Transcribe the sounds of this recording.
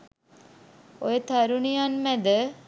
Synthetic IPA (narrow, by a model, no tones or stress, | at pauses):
ojət̪aɾunijanmæd̪ə